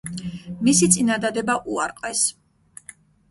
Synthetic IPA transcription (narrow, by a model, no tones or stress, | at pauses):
misit̪sʼinad̪ad̪ɛbaʔuaɾqʼvɛs